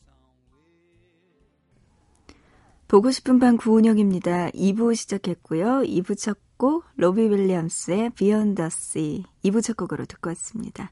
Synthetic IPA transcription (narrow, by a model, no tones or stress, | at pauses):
poɡoɕʰi̥pʰɯnbankuːɲʌŋimɲidaʔibuɕʰid͡ʑakʰe̞t̚k͈ujoibut͡ɕʰʌk̚k͈olobiwiʎːiams͈ɯe̞piʌndʌs͈iibut͡ɕʰʌk͈oɡɯɾo̰tɯk͈ʌs͈ɯmɲḭda